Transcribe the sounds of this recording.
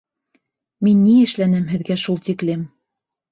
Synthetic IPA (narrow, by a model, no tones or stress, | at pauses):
minːiɘ̆ʃlænɘmɦɘ̆ðɡæʃulˠt̪iklɘm